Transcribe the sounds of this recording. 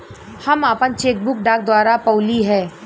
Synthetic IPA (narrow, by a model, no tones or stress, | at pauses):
hɐmaːpənt͡ʃeːk̚bʊk̚ɖaːk̚d̪waːɾapəːliɦɛː